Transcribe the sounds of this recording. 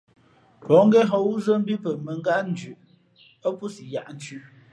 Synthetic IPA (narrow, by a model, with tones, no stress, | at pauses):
pɔ˨˦ŋ˦ɡɛ˦ɦɔ˨˦wu˦zə˦m̩˦bi˦pə˨mə˨ŋ˦ɡa˦n̩˦d͡ʒʉ˨ʔ | ə˦pu˦si˨ja˨ʔn̩˦t͡ʃʉ˦